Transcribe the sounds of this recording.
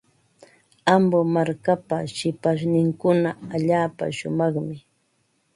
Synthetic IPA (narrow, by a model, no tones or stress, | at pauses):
ambomaɾkapaʃɪpaʃ̬nɪŋkʊnaaʎaːpa̰ʃʊmɑχmɪ